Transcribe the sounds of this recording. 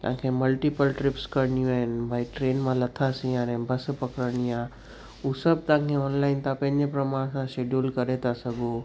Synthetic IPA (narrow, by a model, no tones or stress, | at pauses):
t̪ɐ̰ãkʰemɐlʈipəlʈɾɪpskɐɾɳiũaːɦɪnɪ̆bʱaiʈɾeːnmãlɐt̪ʰasĩãnɛ̃ːbʱɐspɐkɾəɾɽ̃iaː | uːsɐb̚t̪ãkʰeɔːnlaːɪnt̪ʰãpɐ̃ɦɪ̃ɲd͡ʑepɾɐmãɽ̃sãʃeːɖjuːlkɐɾet̪ʰasɐɡu